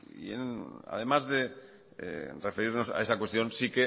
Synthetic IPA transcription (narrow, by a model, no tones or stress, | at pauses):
ḭḛna̰ðe̞mazðḛ | refeɾiɾno̞sa̰esakwest̪jõ̞nsike